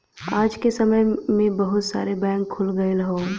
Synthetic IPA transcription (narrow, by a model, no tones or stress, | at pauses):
aːd͡ʒkesɐməjmẽbɐɦʊt̪sa̰ːɾebɛ̃ːŋkʰːʊlɡəeləɦõː